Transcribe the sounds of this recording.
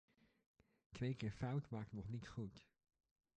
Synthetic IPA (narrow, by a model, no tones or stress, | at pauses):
kʰveːkəfawtmaːk̚tnɔχnɪtχut